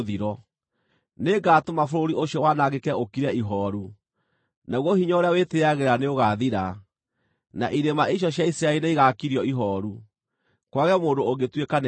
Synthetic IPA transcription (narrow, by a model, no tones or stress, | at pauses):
ðiɾɔ | neɡaːtomafoɾoɾioɕjɔwanaɣekɛokiɾɛiɦɔɾu | naɣwɔhiɲɔoɾeaweteaɣeɾaneoɣaðiɾa | na̰ʔiɾemaiɕ̬jɔɕjaisɾaeineiɣakiɾjɔiɦɔːɾu | kwaɣɛmoːdoːɣetwekan